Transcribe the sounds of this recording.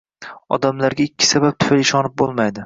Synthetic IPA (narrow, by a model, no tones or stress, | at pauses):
ɒ̰d̪amlaɾɡʲaɪkʲʰːɪ̥sabap̚t̪ʰʊ̥falɪʃɒnɪp̚bolˠmajd̪ɪ